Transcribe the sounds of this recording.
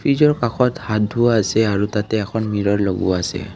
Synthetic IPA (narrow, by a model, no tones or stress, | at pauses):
pʰɹizɔɹkaxʰɔthad̚dʱʊaːsɛaɹutatɛːkʰɔnmiɹɔɹloɡṵaasɛ̰